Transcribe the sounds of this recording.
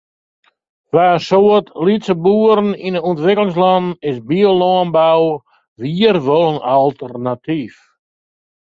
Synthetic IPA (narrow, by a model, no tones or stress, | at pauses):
ʋaəsoətlitsəbuːəɾn̩inəɔntʋɪklɪŋs̬lɔnɪsbiolɔnbaw | ʋiːərʋɔlˠənalˠtərnatʰif